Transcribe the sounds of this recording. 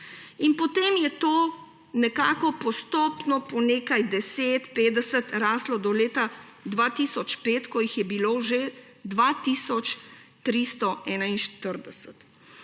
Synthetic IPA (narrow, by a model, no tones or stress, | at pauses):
inpɔt̪eːmjɛt̪oː | nɛkaːkɔpɔst̪oːpnɔpɔneːkajd̪ɛseːt̪peːd̪ɛsət̪ɾaːslɔd̪ɔleːt̪a | d̪ʋaːt̪isɔt͡ʃpeːt̪kɔjixjɛbiloːʒe | d̪ʋat̪iːsɔt͡ʃt̪ɾist̪ɔʔɛːnainʃt̪əɾd̪ɛsə̥t̪